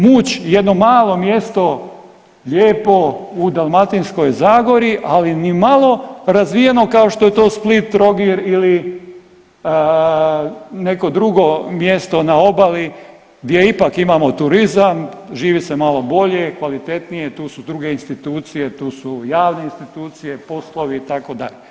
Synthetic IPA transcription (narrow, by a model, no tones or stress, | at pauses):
muːt͡ɕjed̪no̞maːlˠo̞mje̞st̪o̞ | ʎeːpo̞ud̪alˠmat̪insko̞jzaːɡo̞ɾiʔalinimalo̞ɾazʋije̞no̞kao̞ʃt̪o̞je̞t̪o̞ːsplit̪ːɾo̞ɡiɾili | ne̞ko̞d̪ɾuɡo̞mjest̪o̞nao̞bali | ɡd̪je̞ipakimamo̞t̪uɾizamʒiːʋisemalo̞bo̞ʎe̞kʋalit̪e̞t̪nije̞t̪uːsud̪ɾuɡe̞inst̪it̪uːt̪sije̞t̪uːsujaːʋneinst̪it̪uːt̪sije̞po̞slˠo̞ʋiːt̪ako̞d̪a̰ʎe